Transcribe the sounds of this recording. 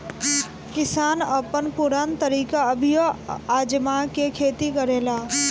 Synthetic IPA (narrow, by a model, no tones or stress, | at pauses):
kɪsaːnəpənpʊɾaːnt̪əɾiːkaəbʱɪjoaːd͡ʒmakekʰeːt̪ikəɾeːlaː